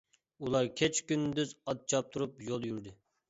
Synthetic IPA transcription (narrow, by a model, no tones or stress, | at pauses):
ulˠɑɾkʲʰɛt͡ʃkʲynd̪yzɑt̪̚t͡ʃʰɑp̚t̪ʰuɾupjolˠjyɾd̪ɪ